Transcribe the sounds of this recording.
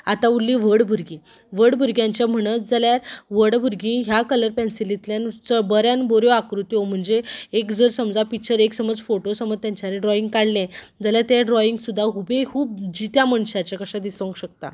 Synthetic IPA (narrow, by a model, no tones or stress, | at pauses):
at̪aulːĩʋəɽbʱuɾɡĩ | ʋəɽbʱuɾɡjãɲt͡ɕjam̤əɽ̃ət̪d͡zaljaɾʋəɽbʱuɾɡĩɦjakələɾpɛ̃nsilit̪ljant͡səbəɾjanboɾjoakɾut̪jom̤əɳd͡zeekd͡zəɾsəmd͡zapikt͡ɕəɾeksəməd͡zfoʈosəməd͡zt̪jaɲt͡ɕaɾeɖɾɔiŋɡ̚kaɽlẽd͡zaljaɾt̪jaɖɾɔiŋɡsud̪ʱːaɦubekʰuːp̚d͡ʑit̪jaməɳɕat͡ɕakəɕad̪isə̃ŋkɕək̚t̪a̰